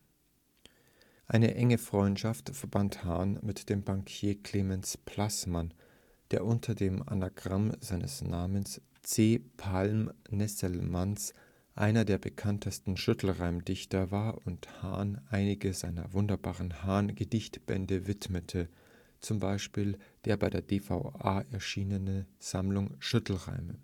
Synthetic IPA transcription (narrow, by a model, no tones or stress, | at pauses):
ʔaɪnəʔɛŋəfʁ̥ɔʏntʃaftfɛɐbanthaːnmɪtd̥eːmbaŋkʰjeːkʰl̥eːmɛnspʰl̥asman | d̥eːɐʔʊntʰɐdeːma̰naɡʁamzaɪnə̰snaːməns | t͡seːpʰalmnɛsəlmans | ʔa̰ɪnɐdeːɐbəkʰantʰəstn̩ʃʏtʰl̩ʁaʊmdɪçtɐvaːɐʔʊntha̰ːnʔaɪnɪɡəza̰ɪnɐ̰vʊndɐbaːʁənhaːnɡədɪçtb̥ɛ̰ndəvɪtmətʰə | t͡sʊmbaɪʃpiːld̥eːɐbaɪdeːɐdefaʊʔaːʔɛɐʃiːnənənz̥amlʊŋʃʏtʰl̩ʁa̰ɪmə